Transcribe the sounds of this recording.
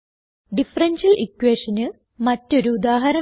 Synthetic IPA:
ɖifɐrɐnɕɐlʔikːweːʂɐnɨ | mɐtːo̞ɾuːd̪aːɦɐɾɐ

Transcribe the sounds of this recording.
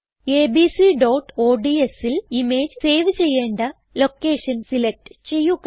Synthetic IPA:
eːbiːsiɖoːʈːoːɖiesilime̞ːd͡ʑse̞ːʋɨt͡ɕe̞jːeːɳɖɐ | lo̞kːe̞ːʂɐnsilek̚ʈt͡ɕe̞jːuk

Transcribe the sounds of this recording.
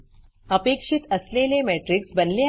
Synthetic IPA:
əpeːkʂit̪ɐslelemeːʈɾiksbɐnle

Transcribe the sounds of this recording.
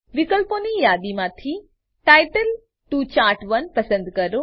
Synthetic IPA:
ʋɪkəlponijaːd̪imãt̪ʰi | ʈaːɪʈəl | ʈuːt͡ɕaːɾʈʰʋɐnpɐsə̃nd̪kɐɾo

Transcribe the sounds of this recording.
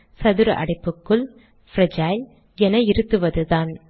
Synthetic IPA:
sɐðɯɾɐ̰ʔɐ̰ɽɪpːɯkːɯɭ | fɾɐd͡ʒaːjl | ɛnɐɪɾɯt̪ːɯʋɐðɯðaːn

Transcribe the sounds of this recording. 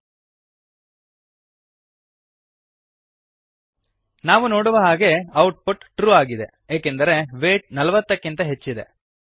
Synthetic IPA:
naːʋuno̞ːɽuʋɐɦaːɡe̞ɐwʈ̚puʈʈɾuːaːɡid̪e̞̰ | eːkend̪ɐɾe̞ʋeːʈ̚nɐlɐʋɐt̪ːɐkːint̪ɐɦe̞t͡ʃːid̪e̞̰

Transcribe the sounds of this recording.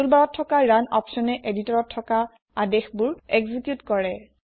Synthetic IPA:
ulbaɹɔtʰːɔkaɹanɔpsɔnɛʔeditɔɹɔtʰːɔka | adexbuɹɛɡzikjutkɔɹɛ

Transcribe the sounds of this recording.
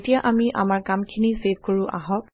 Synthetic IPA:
tijaʔamiʔa̰maɹkamkʰiniseb̚ʱkoɹũʔa̰ɦɔ̃k

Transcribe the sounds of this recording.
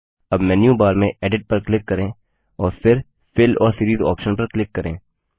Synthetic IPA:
ɐbmɛnjũbaːɾmẽʔɛːɖɪʈ̚pɐɾklɪkːɐɾẽː | ɔːɾfʰɪɾ | fʰɪlɔ̰ːɾsiːɾiːzɔ̰ːpʃənpɐɾklɪkːɐɾẽː

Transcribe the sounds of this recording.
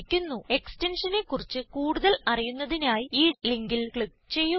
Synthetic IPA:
kʲːunːue̞kste̞nʂɐnekːurit͡ɕːɨkuːɽuðɐlɐrijunːɐðinaːjiiːliŋɡilkɭik | t͡ɕe̞jːu

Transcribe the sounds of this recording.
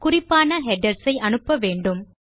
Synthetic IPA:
kʊrɪpːaːnɐɦɛɖɐɾsɐɪʔɐnɯpːɐʋeːɳɖɯm

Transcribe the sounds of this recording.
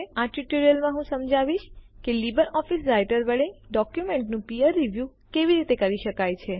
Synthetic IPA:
aʈuʈoɾijəlmãɦũsəmd͡ʒʱaʋiʃkelibəɾɔfisɾajʈəɾbəɭĩɖɔkjumeɳʈnũpiəɾːiʋju | keʋiɾit̪ekəɾiʃəkajt͡ʃʰe

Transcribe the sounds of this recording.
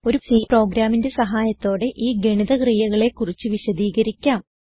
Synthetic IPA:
o̞ɾufiːpro̞ːɡɾaːminde̞sɐɦaːjɐt̪ːo̞ːɽe̞ʔiːɡe̞ɳiðɐkriːjɐɣɐɭe̞kːurit͡ɕːɨʋiɕɐd̪iːɣɐɾikʲːaːm

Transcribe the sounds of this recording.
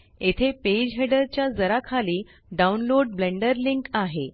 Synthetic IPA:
et̪ʰeped͡ʑɦeɽəɾt͡ɕjad͡zəɾakʰaliː | ɖaunloɽblẽɳɖəɾliŋkaɦe

